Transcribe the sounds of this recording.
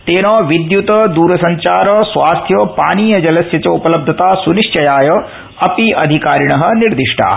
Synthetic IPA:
t̪eːnoːʋid̪jut̪ɐd̪uːɾɐsɐɲt͡ʃaːɾɐsʋaːst̪ʰjɐpaːniːjɐd͡ʒɐlɐsjɐt͡ʃɐupɐlɐb̚d̪ʱɐt̪aːsuniʂt͡ʃɐjaːjɐ | ɐpiʔɐd̪ʱikaːɾiɳɐɦɐ̆niɾd̪iʂʈʰa̰ː

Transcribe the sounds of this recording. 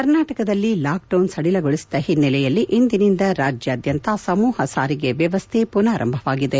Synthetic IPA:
kɐɾnaːʈɐkɐd̪ɐlːilaːk̚ɖɐwnsɐɽilɐɡoɭisi̥d̪ɐhinːɛlɛjɐlːiʔind̪inind̪ɐɾaːd͡ʒjɐːd̪jɐnt̪ɐsɐmuːhɐsaːɾiɡe̞ʋjɐʋɐst̪ʰepunaːɾʔɐ̰mbʱɐʋaːɡid̪e̞

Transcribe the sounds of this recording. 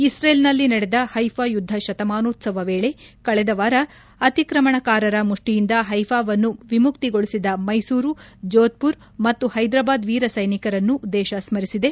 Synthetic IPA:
isɾeːlnɐlːinɐɽed̪ɐhɐjfʰajud̪ʱːɐʃɐt̪ɐmaːnoːt̪sɐʋɐʋeːɭe̞kɐɭɛd̪ɐʋaːɾɐ | ɐt̪ikɾɐmɐɳɐkaːɾɐɾɐmuʂʈijind̪ɐɦɐjfʰaːʋɐnːuʋimukt̪iɡo̞ɭisid̪ɐmɐjsuːɾud͡ʒoːt̪̚puɾ | mɐt̪ːuhɐjd̪ɾaːbaːd̪ʋiːɾɐsɐjnikɐɾɐnːud̪ɛːʃɐsmɐɾisid̪e̞

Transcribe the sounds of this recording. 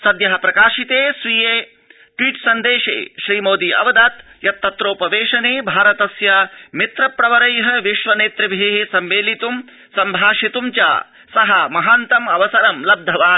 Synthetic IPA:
sɐd̪jɐɦɐpɾɐkaːʃit̪eːsʋijeː | ʈʋiːʈsɐnd̪eːʃḛːʃɾiːmoːd̪iʔɐ̰ʋɐd̪ɐt̪jɐt̪ːɐt̪ɾoːpɐʋeːʃɐneːbʱaːɾɐt̪ɐsjamit̪ɾɐpɾɐʋɐɾɐjɦɐ̆ʋiʃʋɐneːt̪ɾɐbʱiɦsɐmʋeːlit̪um | sɐmbʱaːʃit̪umt͡ʃa̰ː | sɐɦɐmɐɦaːnt̪ɐmɐʋɐsɐɾɐmlɐb̚d̪ʱɐʋaː

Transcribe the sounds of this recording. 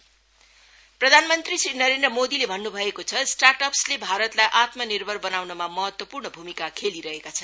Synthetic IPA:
prʌd̪ʱanmʌnt̪risrinʌɾend̪rʌmod̪ilebʱʌnːubʱʌekot͡sʰʌsʈarʈʌpslebʱaɾʌt̪lajʔat̪mʌnirbʱʌrbʌnawnʌmamʌɦʌt̪wʌpurnʌbʱumikakʰeliɾʌɦekat͡sʰʌn

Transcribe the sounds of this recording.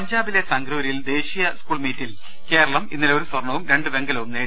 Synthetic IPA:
ɐɲd͡ʑaːbile̞sɐŋɡɾouɾjild̪e̞ːɕijɐskuːɭmiːtːil | ke̞ːɾɐɭɐmḭnːileoɾusʋɐrɳːɐʋumɾe̞ɳɖɨʋe̞ŋɡɐlɐʋumneː

